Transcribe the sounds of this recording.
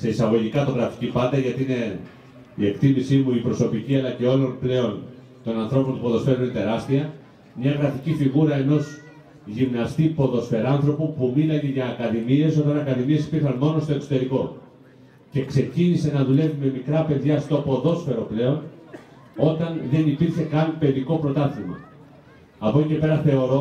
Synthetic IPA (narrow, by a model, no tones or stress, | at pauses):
se̞isɐɣo̞ʝikɐt̪o̞ɣɾɐfi̥cipɐd̪ɐʝɐt̪iine̞ | ie̞kt̪imisimuipɾo̞so̞piciɐlɐce̞olo̞nple̞o̞n | t̪o̞nɐnθɾo̞po̞nt̪u̥po̞ðo̞sfe̞ɾuninet̪e̞ɾɐst̪iɐ | mɲɐɣɾɐficifiɣuɾɐe̞no̞z | ʝimnɐst̪ipo̞ðo̞sfe̞ɾɐnθɾo̞pupumilɐneʝɐːkɐðimie̞sot̪ɐnɐkɐðimie̞si̥piɾxɐnmo̞no̞st̪o̞e̞kso̞̥t̪e̞ɾiko̞ | ce̞kse̞cinise̞nɐðule̞vume̞mikɾɐpe̞ðʝɐft̪opo̞ðo̞sfe̞ɾo̞ple̞o̞n | o̞t̪ɐnðe̞nipiɾçe̞kɐnpe̞ðiko̞pɾo̞t̪ɐθimɐ̰ | ɐpoce̞pe̞ɾɐθe̞o̞ɾo̞